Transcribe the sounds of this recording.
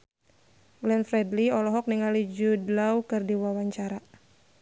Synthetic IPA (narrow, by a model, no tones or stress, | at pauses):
ɡlɛnfɾɛdliɔlɔɦɔk̚niŋalid͡ʒudlauwkɨrdiwawaɲt͡ʃaɾa